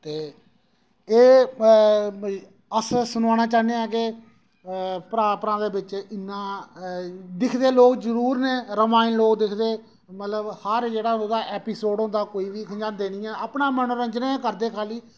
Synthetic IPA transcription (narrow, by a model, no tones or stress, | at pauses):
t̪eː | eː | əssʊnaːnaːt͡ʃaːneãːkɪ | pəɾaːpəɾãːd̪eːbɪt͡ʃɪnːãː | d̪ɪkʰd̪eːloːkzəɾuːɾnẽːɾəmaːɪnloːkd̪ɪkʰd̪eː | mət̪ləbhəɾd͡ʒeːɽaːd̪aːʔɛːpiːsoːɖɦʊ̃nd̪aːkoːiːʋiːkʰəd͡ʒaːnd̪eːnĩːɛːəːpnãːmənoɾə̃ɲd͡ʒnẽːkəɾd̪eːkʰaːliː